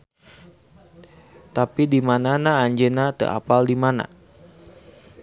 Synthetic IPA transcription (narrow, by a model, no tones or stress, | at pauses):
t̪apidimananaːɲd͡ʒenat̪ə̰ʔa̰paldimana̰